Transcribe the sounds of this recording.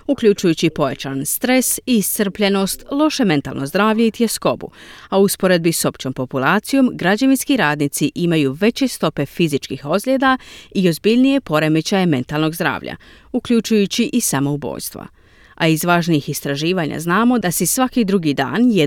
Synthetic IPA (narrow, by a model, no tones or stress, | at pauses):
ukʎʲut͡ʃujut͡ɕipo̞jat͡ɕanst̪ɾe̞siːst̪r̩pʎe̞no̞st̪lˠo̞ʃeme̞nt̪a̰lˠnʔo̞zd̪ɾaːʋʎeit̪jesko̞bṵauuspo̞ɾe̞d̪̚biso̞pt͡ɕo̞mpo̞pulˠaːt̪sijo̞mɡɾad͡ʑaʋinskiɾaːd̪nit̪siʔimajuʋe̞t͡ɕe̞st̪o̞pe̞fizit͡ʃkixo̞zʎʲeːd̪aio̞zbiʎnije̞po̞ɾe̞met͡ɕajeme̞nt̪alˠno̞ɡzd̪ɾa̰ːʋʎʔa̰ | ukʎʲut͡ʃujut͡ɕiʔisamo̞ubo̞̰ːʎst̪ʋa̰ | aizʋaːʒniixist̪ɾaʒiːʋaɲa̰znaːmo̞asisʋakid̪ɾuɡid̪a̰ːnje